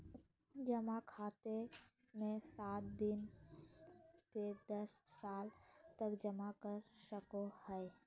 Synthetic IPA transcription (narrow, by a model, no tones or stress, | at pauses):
d͡ʒəmakʰaːt̪e | mẽsaːt̪̚d̪ɪn | sed̪ɐsːaːlt̪əkd͡ʒəmakəɾʃəkohɛ